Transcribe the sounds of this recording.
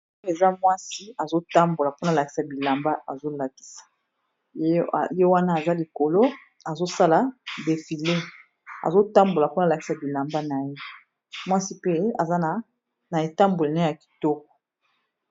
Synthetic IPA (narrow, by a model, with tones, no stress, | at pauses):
e˨za˦mwa˦si˦a˨zo˦ta˦mbo˨la˨po˦na˨la˨ki̥˦sa˨bi˨la˨mba˦a˨zo˦la˨ki̥˦sḁ˨˦˨ | je˦wa˦na˦a˨za˦li˨ko˨lo˦ | a˨zo˦sa˦la˨de˨fi˨le˦ | a̰˨zo˦ta˦mbo˨la˨po˦na˨la˨ki̥˨˦sa˨bi˨la˨mba˦na˨je˦ | mwa˦si˦pe˦a˨za˦na˨ | na˨e˨ta˦mbo˨li˨na˦ja˨ki̥˨tɔ˦k̚ɔ̥˨